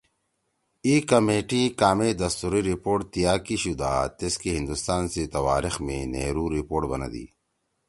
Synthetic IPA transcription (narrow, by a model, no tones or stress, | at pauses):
iːkɐmeːʈikaːmed̪ɐst̪uɾiɾipoːʈt̪ijaːkiɕud̪aːt̪eskiɦĩnd̪ust̪aːnset̪ɐwa̰ːɾixmẽnḛːɾuːɾipoːʈbɐna̰d̪ḭː